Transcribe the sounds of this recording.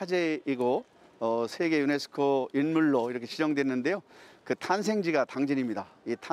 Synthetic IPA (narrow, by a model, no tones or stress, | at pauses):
ad͡ʑeiɡo | ʌsʰe̞ɡe̞june̞sʰɯ̥kʰoinmuɭːoiɾʌkʰeɕʰid͡ʑʌŋdwe̞nːɯnde̞jokɯtʰansʰe̞ŋd͡ʑiɡataŋd͡ʑiɲimɲidaitʰa